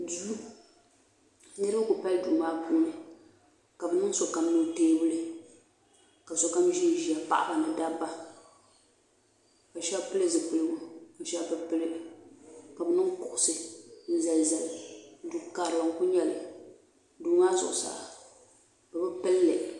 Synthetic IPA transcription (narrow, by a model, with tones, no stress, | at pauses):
du˦ | nɨ˦ɾɨ˦kʊ˨pa˦ldu˨maː˦buː˦nɨ˨ | ka˨bɨ˨nɨ˦ŋso˨ka˨mnɨ˨˦teː˦bɨ˦lɨ˦ | ka˨so˨ka˦mʒi˦ʒi˨a˨pa̰˨ʔba˨nɨ˨da˦ba˦ | ka˨ʃɛ˦pɨ˦lɨ˦zɨ˨k͡pɨ˨lɨ˦ɡʊ˦ka˨ʃa˦bɨ˦pɨ˦lɨ˦ka˨bɨ˨nɨ˦ŋkʊ˨ʔʊ˨sɨ˨n̩˦za˨lza˨ldu˦kaː˨ɾɨ˨la˨ŋ˦kʊ˦ɲɛ˦lɨ˨ | duː˨˦maː˦sʊ̰˨ʔʊ˨sa̰˨ | bɨ˨bɨ˦pɨ˦lːɨ˨